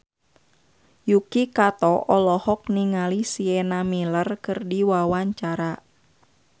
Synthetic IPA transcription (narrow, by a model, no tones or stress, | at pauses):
jukikat̪ɔʔɔlɔhɔk̚niŋalisiɛnamilərkɨrdiwawaɲt͡ʃaɾa